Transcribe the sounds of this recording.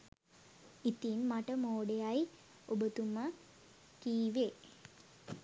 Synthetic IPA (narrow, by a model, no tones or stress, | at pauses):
it̪inmaʈəmoːɖejaj | obət̪umə | kiːʋe